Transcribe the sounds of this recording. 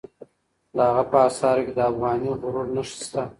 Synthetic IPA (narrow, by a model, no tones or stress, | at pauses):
d̪əhaɣapəːsɑɾked̪əafɣɑːniɣʊɾuɽnəʃi̥st̪a